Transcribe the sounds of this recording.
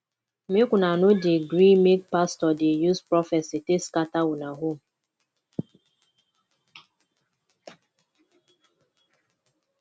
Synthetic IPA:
mekʷʊnanʊdeɡɾimek̚pastɔdejuzpɾɔfɛsiteskatawʊnaɦom̩

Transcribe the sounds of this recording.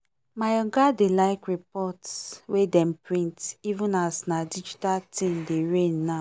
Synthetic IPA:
majɔɡadelaɪkɹipɔtswedɛm̩pɹĩntivũnasnadid͡ʒitaltĩmdeɹẽnːa

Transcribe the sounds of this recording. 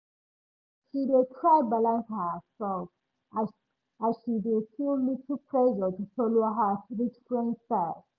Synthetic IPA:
ʃidetʰɹaɪbalãnshəsɛlf | azʃidelstilluk̚tʰupʰɹɛʒətufɔloɦəɹit͡ʃfɹɛ̃ndsat

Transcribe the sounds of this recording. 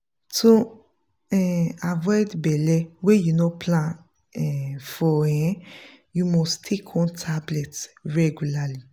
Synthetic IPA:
tu | ɛavɔdbɛlɛwejunɔpʰlã | ɛfɔ̃ | jumɔstʰekʰɔ̃ntʰablɛtɹɛɡulali

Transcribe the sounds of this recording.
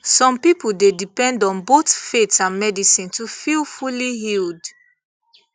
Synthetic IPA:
sɔ̃mpipudedipɛ̃ndɔ̃nbotfetãnmɛdisĩntufilfuliɦild

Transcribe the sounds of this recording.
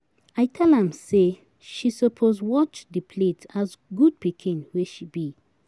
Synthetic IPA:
ajtʰɛlãmse | ʃisəpʰozwɔt͡ʃðəpʰletazɡud̚pikʰĩnweʃibi

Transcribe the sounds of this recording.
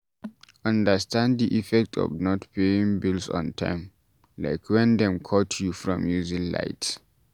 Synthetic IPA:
ãndəstʰãnddiʔifɛk̚tʰɔ̰vnɔtpʰeĩŋbilsɔ̰̃ntʰã̰ɪm | la̰ɪkʰwɛ̃ndɛ̃mkʰɔtʰjufɹɔ̰̃mjuzĩŋla̰ɪt

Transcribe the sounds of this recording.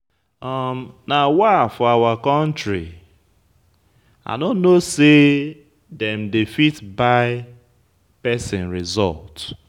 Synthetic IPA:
ɔmnawafɔawakɔ̃ntɹi | a̰ɪnonnose | dɛ̃mdiefitbaɪ | pɛsɪ̃nɹizɔ̰lt

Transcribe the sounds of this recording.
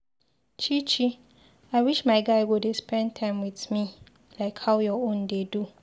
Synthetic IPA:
t͡ʃʰit͡ʃi | aɪwiʃmaɪɡaɪwʊdespɛ̃ntʰãɪ̃mwiθmi | laɪkhaʊjɔõndedu

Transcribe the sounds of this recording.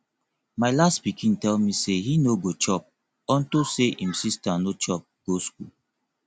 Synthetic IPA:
maɪlastpikʰĩntɛlmisehinoɡot͡ʃɔp̚ | ɔ̃ntoseʔĩmsistanot͡ʃɔp̚ɡ̥oskul

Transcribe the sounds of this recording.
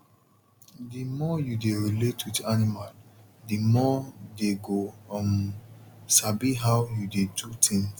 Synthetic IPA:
dimɔjudeɹiletwidanimal | dimɔdeɡoɔm | sabiɦawjudedutʰĩŋs

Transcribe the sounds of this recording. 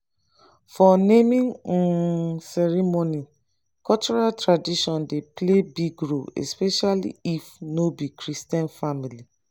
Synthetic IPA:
fɔnemĩŋ̩ | sɛɹimoni | kɔlt͡ʃɔɹaltɹadiʃɔ̃ndeplebiɡɹoɛ̰speʃalḭifnobikɹistiãnfamili

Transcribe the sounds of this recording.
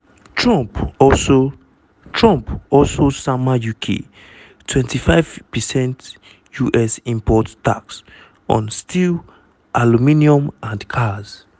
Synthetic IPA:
tɹɔ̃mpɔso | tʰɹɔ̃mpɔlsosamajukʰḛ | tʰwɛ̃ntifaɪv̥pɛsɛ̃nt | juʔɛsĩmpʰɔtta̰ks | ʔɔ̰̃nstʰil | ʔalumĩniɔ̃mãndkʰaz

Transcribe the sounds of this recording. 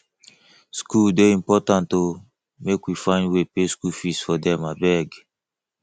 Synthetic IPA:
skuldeĩmpɔtãnto | mekwifãɪ̃ndwepeskufisfɔdɛ̃mabɛɡ

